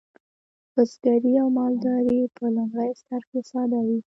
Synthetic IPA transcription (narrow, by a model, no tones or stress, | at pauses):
bəsɡ̪aɾiawmɑld̪ɑɾipəlʊŋɡɽəjst̪aɾkesɑd̪awi